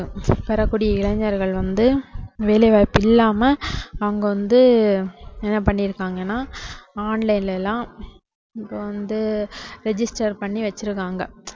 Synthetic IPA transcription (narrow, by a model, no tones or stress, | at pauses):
ɯpɐɾɐkːuːɽɪjɐɪɭɐɲːɐɾɣɐɭʋɐnd̪ɯʋeːlɐʋaːjpːɪlːaːmɐɐʋɐŋɡɐʋɐnd̪ɯ | ɛnːɐpɐɳːɪɾɯkːaːŋɡɐnːaːaːnlɐɪnlɛlːãː | ɪpːoʋɐnd̪ɯɾɛd͡ʒɪsʈɐɾpɐɳːiʋɐt͡ʃːɯɾɯkːaːŋɡɐ